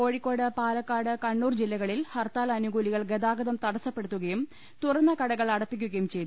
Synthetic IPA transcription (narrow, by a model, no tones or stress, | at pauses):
ko̞ːɻikʲːo̞ːɽɨpaːlɐkːaːɽɨkɐɳːuːrd͡ʑilːɐɣɐɭilhɐrt̪aːlɐnuɡuːliɣɐɭɡed̪aːɡɐd̪ɐmt̪ɐɽɐsːɐpːe̞ɽut̪ːuɣɐjum | t̪urɐnːɐkɐɽɐɣɐɭɐɽɐpːikʲːuɣɐjumt͡ɕe̞jt̪